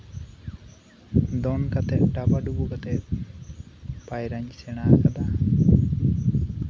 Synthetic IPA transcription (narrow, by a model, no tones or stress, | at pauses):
d̪ɔnkat̪ɛʔ̚ɖabaɖubukat̪ɛ | pajɾaɲsɛɽ̃akad̪a